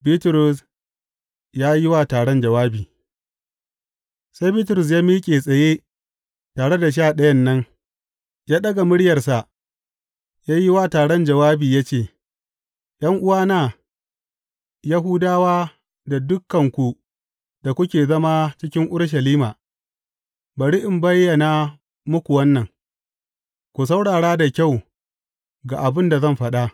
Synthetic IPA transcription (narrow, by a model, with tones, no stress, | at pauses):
biː˦tʊ˨ɾʊ˨s | jaː˦ji˦waː˦taː˨ɽɔ˦nd͡ʒɐ˨waː˦biː˨ | sa˦jbiː˦tʊ˨ɾʊ˨s̬jaː˦miː˦kʲʼeː˨sʼɐ˨jeː˦ | taː˨ɽe˦da˨ʃ̬aː˦˨ɗɐ˦jɐ˦nːɐ˦ŋ | jaː˦ɗɐ˦ɡa˨mʊ˦ɽɪ˦jɐ˨rsa˨ʔ | jaː˦ji˦waː˦taː˨ɽɔ˦nd͡ʒɐ˨waː˦biː˨jaː˦t͡ʃeː˨ | jʔɐ˦ŋʔʊ˦waː˦naː˦˨ | ja˦ɦʊ˦daː˦waː˦ | da˨dʊ˦kːɐ˨ŋkʷu˨ | d̥a˨kʷʊ˦kʲeː˨zɐ˦ma˦t͡ʃɪ˦kʲɪ˦ŋʔʊ˦ɽʃ̬ɐ˨liː˦maː˨ | bɐ˨ɽi˦ʔɪ˨mbɐ˦jːɐ˨na˨ | mʊ˦kʷu˨wɐ˦nːɐ˨ŋ | kʷu˨s̬a˦wɽaː˨ɽaː˦da˨kʲa˦˨w | ɡa˨ʔa˨bɪ˦nda˨zɐ˦˨mɸɐ˦ɗa˦